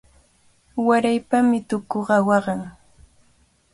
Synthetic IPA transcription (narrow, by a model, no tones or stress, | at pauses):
waɾajpamɪt̪ʊkoɢɑwɑɢɑŋ